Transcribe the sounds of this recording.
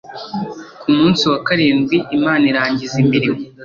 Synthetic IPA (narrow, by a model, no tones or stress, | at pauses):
kumuːnsiwakaɾeːnɡwiʔimaːniɾaːɲɟizimbiɾimo